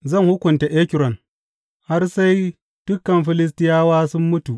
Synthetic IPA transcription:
zɐ˦˨ŋhʊ˦kʷʊ˨nta˨ʔeː˦kʲɪ˨ɾɔ˨n | ha˦rsa˦j | d̥ʊ˦kːɐ˨mɸɪ˦lɪ˦s̬tɪ˦jaː˦waː˦sʊ˦mːʊ˦tu˨

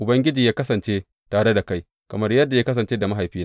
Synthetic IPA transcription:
ʔʊ˨bɐ˦ŋɡʲɪ˦d͡ʒiː˨jaː˦kɐ˦sɐ˨nt͡ʃeː˦ | taː˨ɽe˦da˨ka˦j | kɐ˨mɐ˦rjɐ˦dːa˨jaː˦kɐ˦s̬ɐ˨nt͡ʃeː˦da˨mɐ˦ɦa˨jɸiː˦n˦

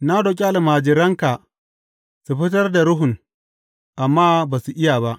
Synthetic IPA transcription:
na˦do˨k̬ʲʼe˦ʔa˨lmaː˨d͡ʒɪ˨ɾɐ˦ŋka˨ | su˨ɸɪ˦t̬ɐ˦rda˨ɾʊ˦ɦʊ˨ŋ | ʔa˨mːaː˦baː˨su˨ʔɪ˦ja˨ba˦ʔ

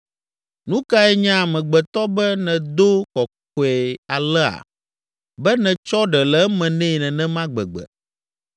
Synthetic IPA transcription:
nũ˦ka˦ɛ˦ɲã˦˨mɛ̃˨ɡ͡bɛ˨t̪ɔ˦bɛ˦nɛ̃˨d̪o˦kɔ˨k̚o˨ɛ˨a˨lɛ˦a̰˨ | bɛ˦nɛ̃˨t͡ʃɔ˦ɖɛ˨lɛ˨˦mɛ̃˨nɛ̃˦˨nɛ̃˨nɛ̃˦mã˦ɡ͡bɛ̰˨ɡ͡bɛ̰˨

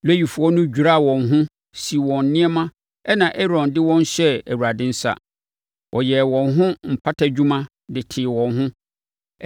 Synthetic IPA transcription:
lɛ˦ji˨fʊ˨˦ɔ˦nʊ̃˦d͡ʑᶣu˨ɾa˦˨wɔ̃˨nɦʊ̃˦ | si˨wɔ̃˨nː˦ɪ̃˦ɛ˦mã˦ | ɛ˦nã˨ʔɛ˦ɾɔ̃˨ndɪ˦wɔ̃˦n˦ɕɛ˦æ˨wu˨ɾa˨dɪ̃˦n̩˦sa̰˨ | wʔɔ˨jɛ˨wɔ̃˨nɦʊ̃˦m̩˨pʰa˦tʰa˦d͡ʑᶣu˦mã˦ | dɪ˨tʰɪ˨wɔ̃˨nɦʊ̃˦

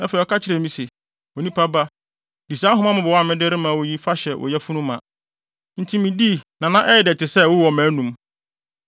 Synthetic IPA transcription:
ɛ˦fɛ˨ɔ˨kʰa˦t͡ɕʰɪ˦ɾɛ˨mĩ˦se˨ | wo˨nĩ˦pʰa˦ba˦ | di˨sã˦ɦʊ̃˦mã˦mʊ̃˨bɔ˨wa˦˨mɪ̃˦dɪ˦ɾɪ˦mã˨wo˨ji˦fa˦ɕɛ˨wʔɔ̰˨jɛ˦fu˦nʊ̃˦mã˨ | n̩˨tʰi˦mĩ˨di˦˨nã˨nã˦ʔɛ˦jɛ˨dɛ˨tʰɪ˨sɛ˦wʊ˦wɔ˨mæ̃ː˨˦nũ˨m

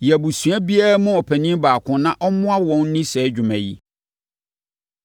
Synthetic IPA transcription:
jæ˨bu˨su˨æ˦bi˦a˦ɾa˦mʊ̃˦ɔ˨pʰæ˨nĩ˦m˦baː˨kʰʊ̃˦nã˦ʔɔ˦mʊ̃˦a˦wɔ̃˦n˦nɪ̃˦sɛː˨˦d͡ʑᶣʊ˨mæ̃˨ji˦

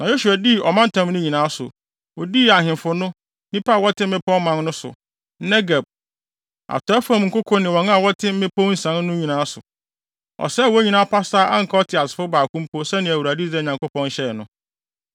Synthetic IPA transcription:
nã˨jo˦su˨a˨di˦˨ʔɔ˨mã˦n̩˦tʰã˦mnʊ̃˦ɲĩ˨nãː˨˦sʊ̰˨ | wɔ˨di˦a˨ɦɪ̃˨mfʊ˨nʊ̃˦ | nĩ˦pʰa˦˨wɔ˦tʰɪ̃˦m̩˦mɪ̃˦pʰɔ̃˦mmã˨nnʊ̃˦sʊ̰˨˦ | nɛ˦ɡa˨b̚ | a̰˨tʰɔ˨ɛ˦fa˦m˨ŋ̩˨kʰʊ˦kʰɔ˦nɪ̃˨wɔ̃˨ŋ˦a˦˨wɔ˦tʰɪ˦m̩˦mɪ̃˦pʰo˦n̩˦sã˨˦n˦nʊ̃˦ɲĩ˨nãː˨˦sʊ̰˨ | ɔ̰˨sɛ˦˨wɔ˦æ˦ɲĩ˨nãː˦˨pʰa˦saː˦ʔa˦ŋ̩˨kʰa˦ɔ˦tʰɪ˨a˨sɪ̥˨fʊ˦baː˨kʰũ˦m˦pʰo˦sɛ˦nɪ̃˨æ˨wu˨ɾa˨di˦d͡zɛ˦˨ɲã˨ŋko˦pʰɔ̃˦n˦ɕɛ˦˨nʊ̃˦

